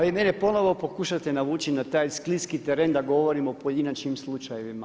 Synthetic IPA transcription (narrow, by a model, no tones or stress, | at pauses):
ʋimenepo̞no̞ʋo̞po̞kuʃat̪enaʋuːt͡ʃinat̪aːjskliskit̪eɾend̪aɡo̞ʋo̞ɾimopoje̞d̪inat͡ʃɲimslˠut͡ʃaje̞ʋima